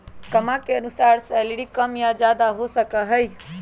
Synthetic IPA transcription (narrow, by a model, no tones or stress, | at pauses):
kəmakeənusaɾseliɽikəmjad͡ʒad̪aɦosəkəɦəj